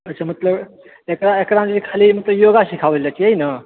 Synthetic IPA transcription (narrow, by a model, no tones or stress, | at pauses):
ətːt͡ɕʰam̤ət̪ləb | ekɽaekɽãd͡zikʰaliːm̤ət̪ləjoɡaɕikʰaʋlat͡ɕieina